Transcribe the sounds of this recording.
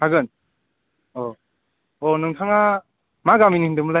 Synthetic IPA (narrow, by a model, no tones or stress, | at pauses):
aɡɯn | ɔ | ɔnɯŋtʰaŋa | maɡaminindɯmɯla